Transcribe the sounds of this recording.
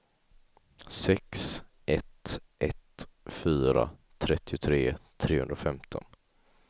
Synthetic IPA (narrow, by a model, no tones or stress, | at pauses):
sɛks | ʔɛt̪ʔɛt̪fyːɾa̰t̪ʰɾɛt̪ʰːɪʊt̪ʰɾeːt̪ʰɾeːhɵ̰nɾafɛmt̪ʰɔ̰n